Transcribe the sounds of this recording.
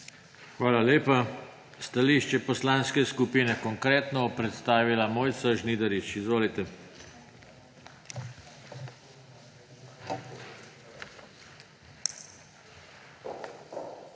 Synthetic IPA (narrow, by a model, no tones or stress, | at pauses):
xʋaːlaleːpa | st̪aliːʃt͡ʃɛpɔslanskɛskupiːnɛkɔŋkɾeːt̪nɔpɾɛt̪st̪aːʋilamoːjt̪saʒniːd̪ɐɾit͡ʃizʋoːlit̪ɛ